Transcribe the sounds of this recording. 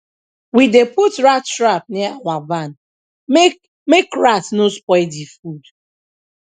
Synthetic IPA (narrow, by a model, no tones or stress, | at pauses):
wideputɾattːɾap̚niŋʷaban | mekɹatnospɔɪdifud